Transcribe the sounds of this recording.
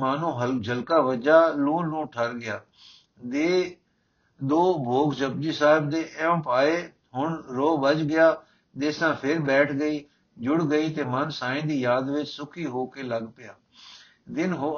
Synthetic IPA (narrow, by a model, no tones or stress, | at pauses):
aːnũːɦəd͡ʒəlkaːʋəd͡ʒaːlũːlũːʈʰəɾɡɪjaː | d̪eː | d̪oːbʱoːkd͡ʒəb̚d͡ʒiːsaːɦɪb̚d̪eːʔɛ̃mpaːeː | ɦʊɳɾoːbəd͡ʒɡɪjaː | d̪esãːpʰɪɾbɛːʈʰɡəiː | d͡ʒʊɽɡəiːt̪eːmənsaːĩːd̪iːjaːd̪ʋɪt͡ʃsʊkʰiːɦoːkeːləɡpɪjaː | d̪ɪnɦo